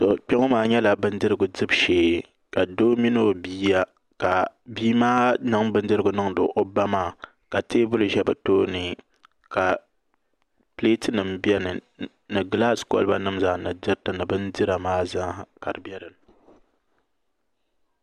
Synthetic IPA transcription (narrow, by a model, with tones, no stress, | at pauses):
to˨k͡pɛ˦ŋo˦maː˦ɲɛ˦la˨bɨ˦n˦dɨ˦ɾɨ˦ɡʊ˨dɨ˦bʃeː˦˨ | ka˨doː˦mi˦no˦biː˦ja˦ | ka˨biː˦maː˦nɨ˦ŋbɨ˦n˦dɨ˦ɾɨ˦ɡʊ˨nɨ˦ŋdɨ̰˨ʔo˦ba˦maː˦˨ | ka˨teː˦bʊ˦lɨ˨ʒɛ˦ba˨toː˦nɨ˨ | ka˨ | pleː˦tɨ˦nɨ˨mbjɛ˦nɨ˨ | nɨ˨ɡla˦˨sko̰˨lɨ˦ba˦nɨ˦mza˨nɨ˨dɨ˦ɾtɨ˨nɨ˨bɨ˦ndɨ˦ɾa˨maː˦za˦˨ka̰˨ɾɨ˨bɛ˦ɾɨ˨n˨